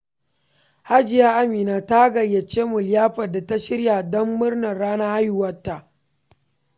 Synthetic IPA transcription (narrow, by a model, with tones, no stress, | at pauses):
ha˦d͡ʒɪ˨jaː˦ʔa˦miː˨naː˨ta˦ɡɐ˨jɐ˨t͡ʃeː˦mʊ˨ljaː˦ɸɐ˨da˨ta˦ʃɪ˦ɽja˨dɔ˦mːʊ˦rnɐ˨ɽaː˦naː˦ha˦ju˦˨wɐ˦tːa˨ʔ